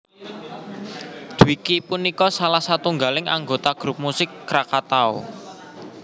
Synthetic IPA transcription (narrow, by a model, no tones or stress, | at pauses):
d̪̥uwikipunikɔsalahsat̪uŋɡalɪŋa̰ŋɡot̪aɡ̥ɾup̚musɪkːɾakat̪ao̰